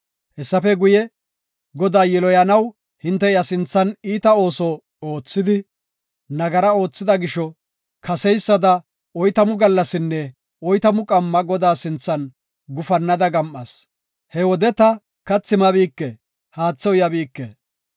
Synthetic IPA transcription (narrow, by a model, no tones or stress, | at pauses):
ʔɛsːɐfɛɡʊjɛ | ɡɔd̪aːjɛlɔjɐnɐw | hɪnt̪ːɛjɐsɪnt͡sːɐniːt̪ɐo̞ːsɔ | o̞ːt͡sːɪd̪ɪ | nɐɡɐɾɐo̞ːt͡sːɪd̪ɐɡɪʃɔ | kɐsɛjsːɐd̪ɐ | ɔjt̪ɐmʊɡɐlːɐsɪnːɛ | ɔjt̪ɐmʊkʼɐmːɐɡɔd̪aːsɪnt͡sːɐn | ɡʊfɐnːɐd̪ɐɡɐmʔːɐs | hɛwɔd̪ɛt̪ɐ | kɐt͡sːɪmɐbiːkːɛ | haːt͡sːɔwjɐbiːkːḛ